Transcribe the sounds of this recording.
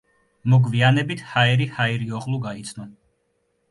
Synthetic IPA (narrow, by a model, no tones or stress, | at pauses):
mɔɡvianɛbit̪ʰhaɛɾihaiɾiɔqʼlˠuɡait̪sʰnɔ